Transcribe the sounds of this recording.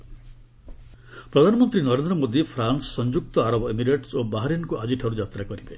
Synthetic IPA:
pɾɔd̪ʱanɔmɔnt̪ɾinɔɾend̪ɾɔmod̪ipʰɾansɔ̥sɔnd͡ʒuk̚t̪ɔaɾɔbɔemiɾeʈsobaɦaɾjenkuʔad͡ʒiʈʰaɾud͡ʒat̪ɾakɔɾibe

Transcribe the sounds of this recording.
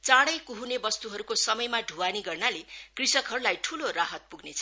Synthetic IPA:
t͡saɽʌjkuɦunebʌst̪uɦʌɾukosʌmʌjmaɖʱuwaniɡʌrnalekrisʌkɦʌɾulajʈʰuloraɦʌt̪̚puɡnet͡sʰʌ

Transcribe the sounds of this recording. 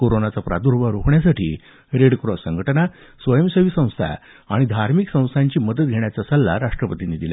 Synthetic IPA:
koɾonat͡sapɾad̪uɾʋəɾokɳjasaʈʰḭː | ɾeɽkɾɔsəŋɡʱəʈəna | sʋəjəmsəʋiːsə̃w̃st̪ʰa̰ | a̰ɽ̃id̪ʱaɾmiksə̃w̃st̪ʰaɲt͡ɕiːməd̪ət̪̚ɡʱeɳ̃jat͡sasəlːa̰ɾaʂʈɾəpət̪iniːd̪ila̰

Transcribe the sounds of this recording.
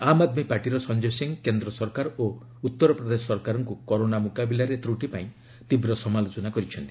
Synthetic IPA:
amad̪mipaɾʈiɾɔsɔnd͡ʒosiŋkend̪ɾɔsɔɾkaɾo | ut̪ːɔɾɔpɾɔd̪esɔɔɾkaɾɔŋkukɔɾonamukabilaɾet̪ɾuʈipaĩ | t̪ibɾɔsɔmalot͡ʃɔnakɔɾit͡ʃʰɔnt̪i̥

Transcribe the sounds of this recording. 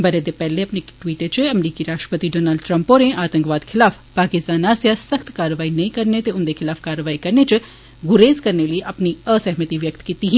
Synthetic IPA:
bɐɾed̪epɛːleɐpnekʈʋiːʈet͡ʃɐmɾiːkiɾaːʃʈɾəpət̪iɖoːnaːlɖʈɾɐ̃mpoɾẽʔaːt̪ə̃ŋkʋaːd̪kʰɪlaːf | paːkɪst̪aːnaːsjasɐxt̪kaːɾəʋaːinɐĩkɐɾnet̪eʊnd̪ekʰɪlaːfkaːɾəʋaːikɐɾnet͡ʃʊ | ɡʊɾeːzkɐɾneləeʔɐpniəsɛɦmət̪iʋjɐk̚t̪kiːt̪iɦi

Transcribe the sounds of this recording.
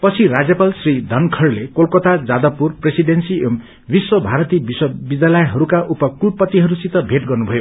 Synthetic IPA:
pʌt͡sʰiɾad͡zjʌpalsrid̪ʱʌnkʰʌrlekolkʌt̪ad͡zad̪ʌpurpresiɖensiem | biswʌbʱaɾʌt̪ibiswʌbid̪alʌjɦʌɾukaʔupʌkupːʌt̪ːiɦʌɾusit̪ʌbʱeʈɡʌrnubʱʌjo

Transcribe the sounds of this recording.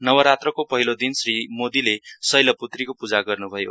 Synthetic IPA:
nʌwʌɾat̪rʌkopʌɦilod̪insrimod̪ilesʌjlʌput̪rikopud͡zaɡʌrnubʱʌjo̰

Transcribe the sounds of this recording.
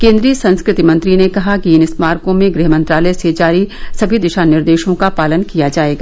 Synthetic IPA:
kẽːnd̪ɾiːəsɐ̃nskɾɪt̪imɐ̃nt̪ɾinekɐɦakiɪnɪsmaːɾkõmẽɡɾɪɦmɐ̃nt̪ɾaːləesed͡ʒaːɾisɐbʱid̪ɪʃanɪɾd̪eːʃõkapaːlənkijad͡ʒaːeːɡaː

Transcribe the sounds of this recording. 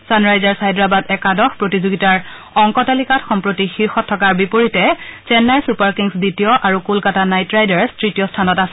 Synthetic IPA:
sanɹajzaɹsaɛdɹabadɛkadɔxpɹotizoɡitaɹ | ɔŋkɔtalikatxɔmpɹotixiɹxɔtʰːɔkaɹbipoɹitɛt͡ʃɛnːaɹsupaɹkiŋsditijɔʔaɹukulkatanajtɹajdaɹstɹitijɔstʰanɔtasɛ̥

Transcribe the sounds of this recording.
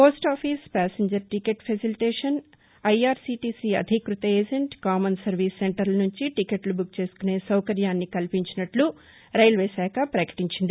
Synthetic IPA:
po̞ːsʈaːpʰiːspæːseɲd͡ʒɐɾʈikeʈpʰɐsiliʈɛːʂɐn | ɐjaːɾsiːʈiːsiɐ̰d̪ʱikɾut̪ɐeːd͡ʒeɳʈkaːmɐnsɐɾʋiːsːeɳʈɐɾlnuɲt͡ʃiʈikeʈlubuk̚t͡ʃe̞ːsu̥kune̞ːsɐwkɐɾjaːnːikɐlpiɲt͡ʃinɐʈlu | ɾɐjlʋeːsæːkɐpɾɐkɐ̥ʈiɲt͡ʃind̪ii

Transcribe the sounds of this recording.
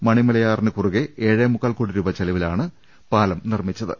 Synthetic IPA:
mɐɳimɐlɐjaːrnɨkuruɣeeːɻemuɣɐlkoɽiɾubɐt͡ɕɐlɐʋilaːɳɨ | paːlɐmnirmit͡ɕːɐðɨ̰

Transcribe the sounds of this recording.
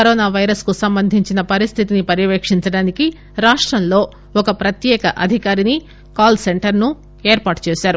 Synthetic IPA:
kɐɾoːnaːʋɐjɾɐskusɐmbɐnd̪ʱiɲt͡ʃinɐpɐɾist̪ʰit̪inipɐɾjɐʋeːkʂiɲt͡ʃɐɽaːniki | ɾaːʂʈɾɐnlo̞ː | ɔkɐpɾɐt̪jɛːkɐʔɐd̪ʱikaːɾini | kaːlse̞ɳʈɐɾnu | eːɾpaːʈt͡ʃeːʃaːɾu

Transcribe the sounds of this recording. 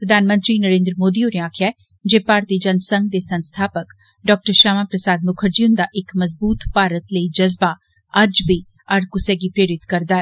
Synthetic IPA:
ppɾəd̪ʱaːnmə̃nt̪ɾiːnəɾẽːnd̪ɾəmoːd̪iːoːneaːkʰjaɛ | d͡ʒeːpaːɾt̪iːd͡ʒɐnsəŋɡ̚d̪eːsə̃nst̪ʰaːpək | ɖɔːk̚ʈəɾʃaːmaːpɾəsaːd̪̚mʊkʰəɾd͡ʒiʊnd̪aːʔɪkməzbuːt̪paːɾət̪ləid͡ʒɐzbaː | ɐd͡ʒbiː | ɐɾkʊsɛːɡipɾeːɾɪt̪kəɾd̪aːɛː

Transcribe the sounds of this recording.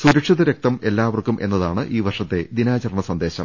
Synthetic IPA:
suɾɐkʂɐðɐɾe̞k̚t̪ɐme̞lːaːʋɐrkːumʔe̞̰nːɐðaːɳɨʔiːʋɐrʂɐt̪ːe̞d̪inaːt͡ɕɐrɳɐsɐnd̪e̞ːɕɐm

